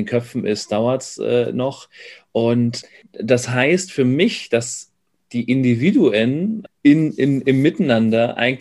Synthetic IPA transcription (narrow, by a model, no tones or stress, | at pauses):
nkʰœfn̩ɪsd̥aʊɐtsʔɛ̰ːnɔχʔʊnt | d̥asɦaɪstfyːɐmɪçd̥as | d̥iːʔɪndiviːduənɪnɪnɪmːɪtnandɐʔa̰ɪɡŋ